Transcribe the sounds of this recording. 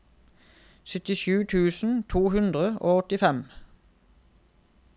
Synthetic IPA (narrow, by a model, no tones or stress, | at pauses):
sœt̪ɪʃʉːt̪ʰʉːsn̩t̪ʰuːhʉnd̪ʁəoːɔt̪ɪfɛm